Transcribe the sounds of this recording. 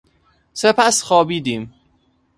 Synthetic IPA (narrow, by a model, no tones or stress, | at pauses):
sepʰæsxɒːbiːd̪iːm